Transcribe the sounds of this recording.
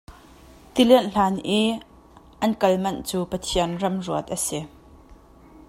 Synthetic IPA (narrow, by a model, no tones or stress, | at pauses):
t̪ilɛnʔɬaːnʔiː | ʔɐnkɐlmɐnt͡suːpɐt̪ʰiənrɐmruət̪̚ʔɐsi